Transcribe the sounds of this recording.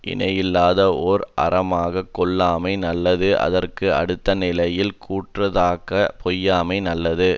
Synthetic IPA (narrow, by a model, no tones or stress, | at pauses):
ʔɪ̰nɐjɪlːaːðɐɔɾɐ̰rɐmaːɣɐkːɔɭːaːmɐɪnɐlːɐðɯʔɐ̰ðɐrkɯɐ̰ɽɯt̪ːɐnɪlɐjɪlkʰuːʈrɐðaːkɐpɔjːaːmɐɪnɐlːɐðɯ